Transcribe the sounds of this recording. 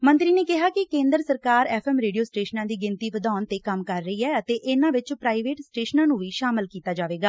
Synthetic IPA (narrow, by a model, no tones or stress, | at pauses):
mənt̪ɾiːneːkɪɦaːkɪkẽːnd̪əɾsəɾkaːɾɛːpʰɛːmɾeːɖijoːsʈeːʃənãːd̪iːɡɪnt̪iːʋəd̪aːnt̪eːkəmkəɾːəiːɛːət̪eːʔɪnãːʋɪt͡ʃpɾaːiʋeːʈsʈeːʃnãːnũːʋiːʃaːmɪlkiːt̪aːd͡ʒaːʋeːɡaː